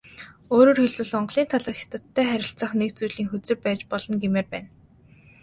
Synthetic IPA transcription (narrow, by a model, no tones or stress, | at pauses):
oːɾoːrxiɮwɘ̆ɮɔɴɢɮiːnt̪ʰaɮaːxḁt̪ə̆t̪ʰːæːχæɾʲɪ̆ɬt͡sə̆χnek̚t͡sujɮiːŋxɵt͡sɘ̆rpæːt͡ɕpɔɮɞ̆nɡemeːrpæ̰ːn